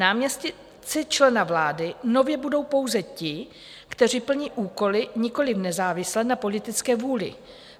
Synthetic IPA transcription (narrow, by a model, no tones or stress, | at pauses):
naːmɲɛscɪ | t͡sɪt͡ʃlɛnavlaːdɪno̞vjɛbudo̞wpo̞wzɛcɪ | kt̪ɛr̝iːpl̩ɲiːʔuːko̞lɪɲɪko̞lɪfnɛzaːvɪslɛnapo̞lɪt̪ɪt͡skɛːvuːlɪ̰